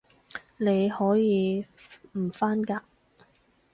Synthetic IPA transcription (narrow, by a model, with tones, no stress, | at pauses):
ne˨˧jhɔː˨˥jiː˨˧m̩˨˩faː˥nkaː˧